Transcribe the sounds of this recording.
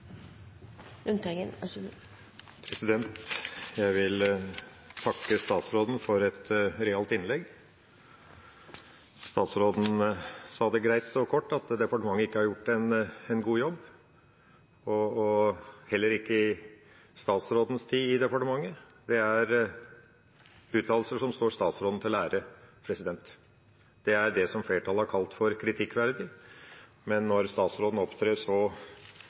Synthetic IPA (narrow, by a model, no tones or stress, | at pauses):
ʉnt̪ʰɛŋənæʂ | pʰɾɛsɪd̪ɛnt̪jæɪʋɪl | t̪ʰɑkːəst̪ɑːt̪sɾoːd̪n̩fɔɾɛt̪ɾɛɑlt̪ɪnlɛɡː | st̪ɑːt̪sɾoːd̪n̩sɑːd̪əɡɾæɪt̪ɔkʰɔʈːɑt̪d̪ɛpɑʈəmɑŋːəɪkːəhɑɾjʊʈːɛnɛnɡuːjɔbː | ɔ | hɛlːəɾɪkːəɪ | st̪ɑːt̪sɾoːd̪n̩st̪ʰiːɪd̪ɛpɑʈəmɑŋːə | d̪ɛæɾ | ʉːt̪ʰɑːlsəʂɔmst̪oːɾst̪ɑːt̪sɾoːd̪n̩t̪ʰɪlæːɾəpʰɾɛsɪd̪ɛnt̪ | d̪̥ɛæɖɛsɔmfleːʈʰɑlhɑɾkʰɑlt̪fɔɾkʰɾɪt̪ʰɪkːʋæɾd̪ɪ | mɛnːɔɾst̪ɑːt̪sɾoːd̪n̩ɔpt̪ʰɾeːɾsɔ